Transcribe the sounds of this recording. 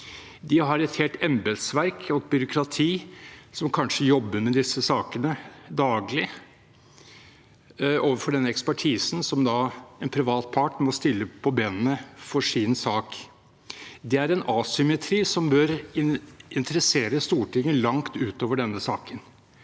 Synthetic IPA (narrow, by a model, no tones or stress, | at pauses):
d̪ɪɦɑɾɛt̪heːlt̪ʰɛmbɛlsʋæɾkʰɔt̪̚bʏɾʊkʰɾɑt̪ʰiːsɔmkʰɑnʂəjɔbːəɾmɛd̪ɪsːəsɑːkənəd̪ɑːɡlɪ | oːʋəɾfɔɖɛnːəɛkspæʈʰiːsn̩sɔmd̪ɑɛnpʰɾɪʋɑːt̪̚pʰɑʈmɔst̪ɪlːəpʰɔbeːnənəfɔʂɪnsɑːk | d̪ɛæɾɛnɑːsʏmɛt̪ʰɾiːsɔmbøːɾɪɪnt̪əɾəseːɾəst̪uːʈʰɪŋːəlɑŋt̪ʉːt̪oːʋəɖɛnːəsɑːkən